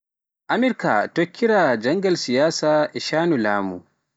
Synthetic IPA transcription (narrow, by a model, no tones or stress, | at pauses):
ʔamiɾka̰tokʰʲːiɾad͡ʒaŋɡalsijaːsaɛʃaːnula̰ːmṵ